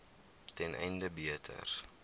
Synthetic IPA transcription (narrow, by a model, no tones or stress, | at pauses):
tɛnʔɛ̰jndəbiətʰə̰r